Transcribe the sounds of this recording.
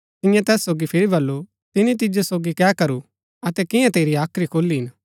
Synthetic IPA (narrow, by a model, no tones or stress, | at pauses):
t̪ɪjãt̪ɛːsːoːɡipʰɪɾibɐlːu | t̪ɪnit̪̬ɪd͡ʒosoːɡikɛːkɐɾu | ɐt̪ɛkɪjãt̪eːɾiaːkʰɾikʰoːlːiɦɪn